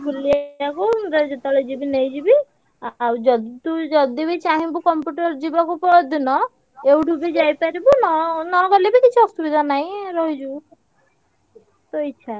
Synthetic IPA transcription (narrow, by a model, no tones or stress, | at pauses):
bʱuliakuɾed͡ʒɔt̪ɔled͡ʒibinejd͡ʒibi | d͡ʒɔt̪ud͡ʒɔd̪ibet͡ʃʰaɦĩbukɔmpjuʈɔɾd͡ʒibakupɔd̪inɔ | ewɖʱubid͡ʒajpaɾibunɔnɔɡɔlibikit͡ʃʰuɔst̪ubid̪ʱanaɦj̃ɾɔɦid͡ʒu | t̪ojt͡ʃʰa